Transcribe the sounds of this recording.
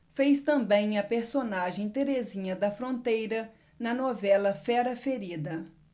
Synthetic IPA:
fejst̪ɐ̃mbẽj̃ɐpeɾsonaʒẽj̃t̪eɾezĩɲɐd̪ɐfɾõnt̪ejɾɐ | nɐnovɛlɐfɛɾɐfeɾid̪ɐ

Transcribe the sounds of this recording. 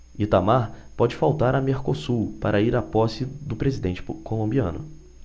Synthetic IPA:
it̪amaɾpɔd͡ʒɪfawt̪aɾɐmeɾkosupaɾʔɐiɾapɔsɪd̪ʊpɾezid̪ẽnt͡ʃɪ̥kolõbiɐ̃nʊ̰

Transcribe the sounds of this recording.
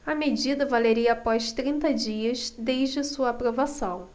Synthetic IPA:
ɐmed͡ʒid̪ɐvaleɾiɐːpɔʃt̪ɾĩnt̪ɐd͡ʒiɐzd̪ejʒd͡ʒɪsuɐːpɾovasɐ̃w̃

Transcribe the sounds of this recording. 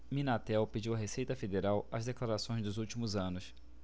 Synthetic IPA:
mĩnat̪ɛwped͡ʒiwɐɦesejt̪ɐfed̪eɾawɐzd̪eklaɾasõj̃zd̪ʊzuwt͡ʃimʊzɐ̃nʊs

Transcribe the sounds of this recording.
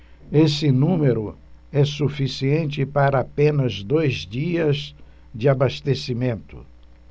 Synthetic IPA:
esɪnũmeɾʊ | ɛsufisiẽnt͡ʃɪpaɾɐapẽnɐzd̪ojzd͡ʒiɐz | d͡ʒɪabast̪esimẽnt̪ʊ̰

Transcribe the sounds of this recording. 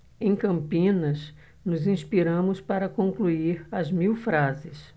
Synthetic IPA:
ẽj̃kɐ̃mpĩnɐs | nʊzĩspiɾɐ̃mʊspaɾɐkõŋkluiɾɐzmiwfɾazɪs

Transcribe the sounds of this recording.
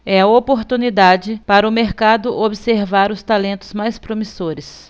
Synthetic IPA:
ɛɐopoɾt̪unid̪ad͡ʒɪpaɾɐʊmeɾkad̪ʊʔobiseɾvaɾʊst̪alẽnt̪ʊ̥zmajspɾomisoɾɪs

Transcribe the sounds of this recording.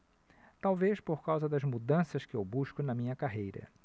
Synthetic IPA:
t̪awveʃpoɾkawzɐd̪ɐzmud̪ɐ̃sɐskɪewbuʃkʊnɐmĩɲɐkaɦejɾɐ̰

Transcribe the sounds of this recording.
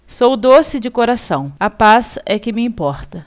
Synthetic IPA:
sowd̪osɪd͡ʒɪkoɾasɐ̃w̃ɐpasɛkɪmɪĩpɔɾt̪ɐ

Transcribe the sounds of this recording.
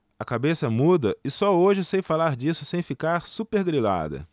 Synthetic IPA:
ɐkabesɐmud̪ɐɪsɔoʒɪesejfalaɾd͡ʒisʊsẽj̃fikaɾsupeɾɡɾila̰d̪ɐ̰

